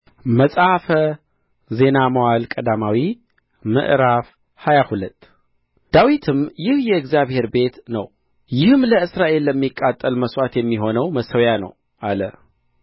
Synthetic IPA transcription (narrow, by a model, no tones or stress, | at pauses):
məsʼafə | ze̞naməwalkʼəd̪amawi | mɨ̰ʔɾaf | hajahulət̪ʼː | d̪̥awit̪ʰɨmjɪhjɛɨɡzjaβhe̞ɾbe̞t̪nəw | jɪhɨmləɨsɾaʔe̞lːəmːikʼːat̪ʼːəlməswat̪jɛmːiɦo̞nəwməsəwjanə̰w | ʔalə